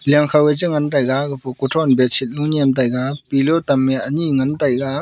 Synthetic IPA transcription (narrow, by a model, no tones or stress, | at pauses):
laŋkʰawed͡ʒiŋantajɡaɡɯpʰɔkutʰɔnbet͡ʃʰit̚nunemt̬ajɡapilɔtamːeɐniŋantajɡa